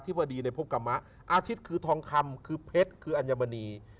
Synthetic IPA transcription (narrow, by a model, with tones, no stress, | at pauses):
t̪ʰi˦˥p̚ba˧diː˧na˧jpʰo˦˥p̚ka˧mːa˦˥ʔ | ʔaː˧t̪ʰi˦˥t̪̚kʰɯː˧t̪ʰɔː˧ŋkʰa˧mkʰɯː˧pʰe˦˥t̪̚kʰɯː˧ʔa˧njaː˧ma˧niː˧